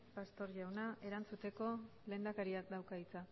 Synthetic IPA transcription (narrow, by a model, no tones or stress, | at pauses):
past̪o̞ɾʝawnae̞ɾant͡sut̪e̞ko̞ | le̞ːnd̪akaɾiak̚d̪awkait͡sa